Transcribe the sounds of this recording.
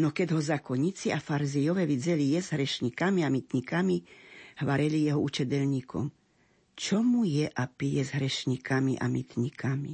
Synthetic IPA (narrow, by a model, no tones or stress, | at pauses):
nɔkɛɟɦɔzakɔɲit͡siafaɾzijɔʋɛʋid͡zɛlijɛzɦɾɛʃɲikamiamit̪ɲikamihʋaɾɛlijɛɦɔut͡ʃɛd̪ɛʎɲiːkɔ̰m | t͡ʃɔmujɛʔapijɛzɦɾɛʃɲikamiʔa̰mit̪ɲikʰami